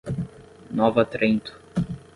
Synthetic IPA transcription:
nɔvɐt̪ɾẽnt̪ʊ̥

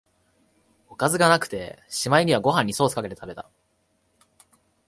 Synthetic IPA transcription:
o̞kazɨɡanakɯ̟̥t̪e̞ɕimaiɲ̟iβaɡo̞ɦãɲ̟ːiso̞ːsɨ̥kake̞t̪e̞t̪abe̞t̪a

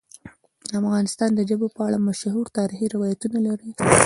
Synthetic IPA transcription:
afɣɑnɪst̪ɑnd̪əʒəbopəaɽamaʃhuɾt̪ɑɾɪxiɾɪwɑjat̪unalaɾi

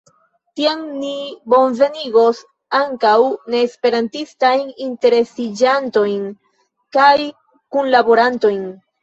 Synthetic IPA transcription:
tiaŋnibo̞nve̞niɡo̞s | aŋkawne̞ːspe̞ɾantistajninte̞ɾe̞sid͡ʒanto̞jn | kaj | kunlabo̞ɾanto̞jn

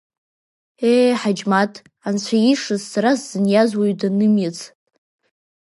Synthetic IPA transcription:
eħad͡ʒmatʰʼ | ant͡ɕʷʰajiʂɨzːaɾasz̥ɨnjazwaɥdanɨmjat͡sʰʼ

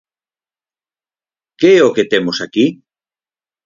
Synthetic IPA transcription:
keɛoket̪emosaki

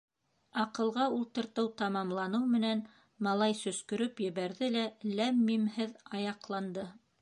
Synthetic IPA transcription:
ɑqɤ̆lˠʁɑulˠt̪ɤ̆ɾt̪ɤwt̪ɑmɑmlˠɑnɤwmɘ̆næn | mɑlˠɑjsɵ̆skɵ̆ɾɵpjɘ̆βæɾðɘlælæmːimhɘðɑjɑqlˠɑnd̪ɤ

